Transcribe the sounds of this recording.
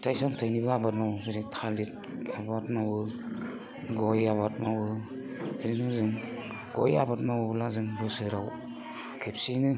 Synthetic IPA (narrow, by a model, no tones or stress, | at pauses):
tajsɔmtʰajnibɯabat̚mawɯbɯɾitʰalit̚ | abatmabɯ | ɡɔjaβat̚mawɯ | ɾinɯzɯŋ | ɡ̥ɔ̰ja̰bat̚mawɯbɯlazɯŋbɯsɯɾaw | kʰepsinɯ